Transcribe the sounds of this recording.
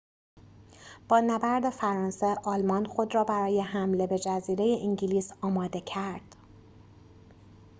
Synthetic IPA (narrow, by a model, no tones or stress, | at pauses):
b̥ɒːnæbæɾd̪e̞fæɾɒːnse̞ʔɒːlmɒːnxod̪ɾɒːbæɾɒːje̞ɦæmle̞be̞d͡ʒæziːɾe̞je̞ʔiɲɟiliːsɒːmɒːd̪e̞cʰæɾd̪̥